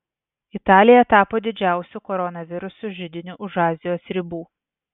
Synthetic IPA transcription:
ɪt̪ɑːlʲɪjɛt̪ɑːpoːd̪ʲɪd͡ʒʲæˑʊsʲʊkɔɾɔnɐʋʲɪɾʊsʊʒʲɪd̪ʲɪnʲuʔʊʒɑːzʲɪjoːsɾʲɪbuː

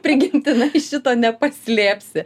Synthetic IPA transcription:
pʲɾʲɪɡʲɪmʲt̪ʲɪnɐɪʃʲɪt̪oːnʲɛpɐsʲlʲeːpʲsʲɪ

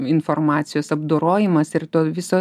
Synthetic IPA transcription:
ɪnformɑːt̪sʲɪjoːsɐbd̪oːɾoːjɪmɐsɪɾt̪oːʋʲɪsoː

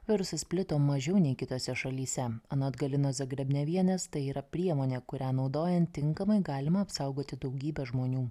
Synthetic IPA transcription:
ʋʲɪɾʊsɐspʲlʲɪt̪oːmɐʒʲɛʊnʲɛɪkʲɪt̪oːsʲɛʃɐlʲiːsʲɛɐnoːd̪ɡɐlʲɪnoːsɐɡɾʲɛbʲnʲɛʋʲiɛnʲɛst̪ɐɪiːɾɐpʲɾʲiɛmoːnʲeːkʊɾʲæːnɒʊd̪oːjɛnt̪ʲːɪŋkɐmɐɪɡɑːlʲɪmɐɐpsɐʊɡoːt̪ʲɪd̪ɒʊɡʲiːbʲɛʒmoːnʲuː

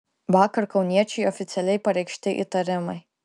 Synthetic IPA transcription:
ʋɑːkɐɾkɒʊnʲiɛt͡ʃʲɛɪɔfʲɪt̪sʲɛlʲɛɪpɐɾʲɛɪkʃʲt̪ʲɪʔḭt̪ɐɾʲɪmɐɪ

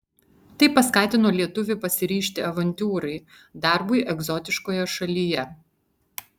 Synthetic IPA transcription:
t̪ɐɪpɐskɑːt̪ʲɪnoːlʲiɛt̪ʊʋʲɪpɐsʲɪɾʲiːʃʲt̪ʲɪɐʋɐnʲt̪ʲuːɾɐɪ | d̪ɑˑɾbʊɪʔɛɡzɔt̪ʲɪʃkoːjɛʃɐlʲijɛ

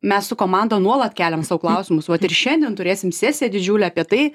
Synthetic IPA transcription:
mʲɛssʊkoːmɑnd̪oːnuɔlˠɐt̪kʲæːlʲɛmsɑʋʊklˠɐʊsʲɪmʊsʋɐt̪ɪrʃʲɛnʲd̪ʲiɛnt̪ʊɾʲeːsʲɪmsʲæːsʲɪjɛd̪ʲɪd͡ʒʲuːlʲɛɐːpʲiɛt̪ɐɪ

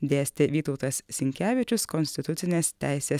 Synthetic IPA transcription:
d̪ʲeːsʲt̪ʲɪʋʲiːt̪ɐʊt̪ɐssʲɪŋʲkʲæːʋʲɪt͡ʃʲʊskɔnʲsʲt̪ʲɪt̪ʊt̪sʲɪnʲeːst̪ʲæ̰ɪsʲeːs

